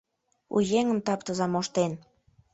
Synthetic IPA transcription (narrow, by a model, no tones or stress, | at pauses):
ṵjeŋəmt̪ɑpt̪əzɑmoʃt̪en